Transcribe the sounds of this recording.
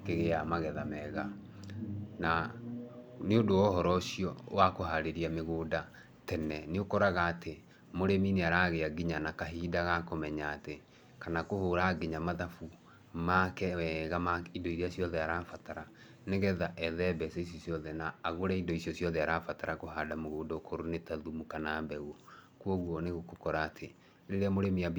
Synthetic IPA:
keɣeamaɣɛðamɛɣa | na | neondoɔhɔɾɔsiɔwakoɦaɾeɾiameɣoda | tɛnɛneokɔɾaɣaːte | moɾemineaɾaɣeaɡiɲanakaɦidaɣakomɛɲaːte | kanakohoːɾaɡiɲamaðafu | makɛɣamaindoiɾeasjɔðɛaɾaːfataɾa | neɣɛðaʔɛðɛbɛsɛis̬jɔsjɔðɛnaːɣoɾaindɔisjɔsjɔðɛaɾaːfataɾakoɦaːdamoɣoːdɔokʰoɾonetaðumukanaːmbɛɣwɔ | kwɔɣwɔneɣokokɔɾaːtʰe | ɾeɾeamoɾemiab

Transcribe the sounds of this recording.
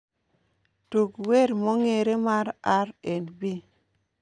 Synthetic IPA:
tukweɾmoŋeɾemaɾaɾenbi

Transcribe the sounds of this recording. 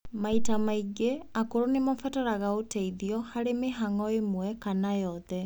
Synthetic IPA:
maitamaiɡeakoɾonemafataɾaɣaotɛiðiɔhaɾemeɦaŋɔemwɛkanajɔðɛ

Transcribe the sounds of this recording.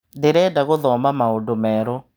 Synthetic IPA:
deɾɛdaɣoðɔmbamaodomɛɾɔ

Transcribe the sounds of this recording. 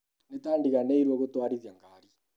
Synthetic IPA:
netaːndiɣaneiɾweɣotwaːɾiðjaŋɡaːɾi

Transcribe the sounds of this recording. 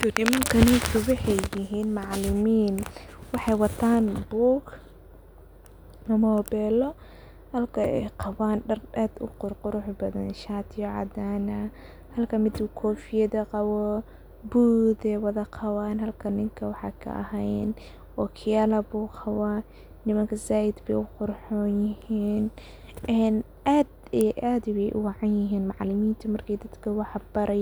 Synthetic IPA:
nɪmɐŋkʰɐnɪŋkʰɐwɑħɑjːɪɦiːnmɑʕlɪmiːnwɑħɑjwɑt̪ʰaːnbuːɡ | nɐmɔːbɛːlɔ | hɐlkʰɐɛ̰jqɑβaːnɖɐraːd̪ʊ̰qʊrqʊɾʊħbɐðɐ̰nʃaːt̪ʰɪjɔʕɑ̰d̪aːnɐ | hɐlkʰɐmɪd̪ukʰɔːfɪjɐðɐqɑwɔ | buːd̪ɛwɐðɐqʰɑwaːnɦɐlkʰɐnɪŋkʰɐwɑħɑ̰ːkʰɐ̰ʔɐ̰ɦɛjn | ʔɔkʰɪjalɐbuːqɑwa | nɪmɐŋkʰɐsaːjɪd̪bɛ̰jʊqʊrħɔːjɪhiːn | ɛːn | ʔaːd̪ | ʔaːd̪jɛjʔʊ̰wɑʕɑnjɪɦiːnmɑʕlɪmiːnt̪ʰɐmɐrkʰɛjd̪ɐd̪kʰɐwɑħb̥ɐɾɛj

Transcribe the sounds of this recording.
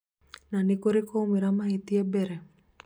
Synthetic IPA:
nanikoɾikoumiɾamaɦit̪iebeɾe

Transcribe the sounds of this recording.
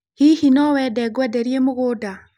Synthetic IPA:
hihinɔwɛdɛɡwɛdeɾjemuɣuda

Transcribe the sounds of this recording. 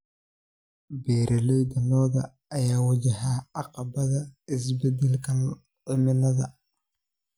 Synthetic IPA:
bɛːɾʔɐlɛjd̪ɐnɔːðɐː | jaːwɐd͡ʒɐhaːɑqɑbɐðɐɪs̬bɛd̪ɛlkʰɐn | ɪmɪnɐðɐ

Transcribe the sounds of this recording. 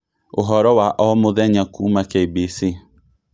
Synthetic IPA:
oɦɔɾɔwaʔɔmoðɛɲakumakeibisi

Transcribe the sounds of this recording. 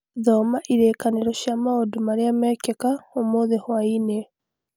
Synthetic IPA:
ðomaʔiɾeːkaneɾoʃjamaodumaɾeamɛːkekaomoðehwaine

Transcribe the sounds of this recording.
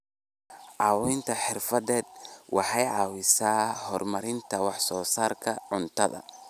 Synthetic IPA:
ʕɑːwɔjnt̪ʰɐħɪrfɐðɛːd̪̚wʔɑħɑjʕɑːwɪsaːhɔrmɐɾɪnt̪ʰɐwɑħsɔːsaːrkʰɐʕʊnt̪ʰɐðɐ̰

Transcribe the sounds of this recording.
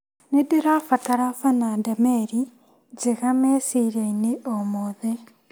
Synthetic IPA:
nedeɾafataɾafanadameɾi | d͡ʒeɣamesiɾeineʔomoðe

